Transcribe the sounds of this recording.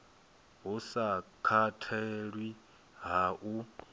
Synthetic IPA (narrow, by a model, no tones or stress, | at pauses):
ɦusakʰatʰɛɺwi | ɦaʔu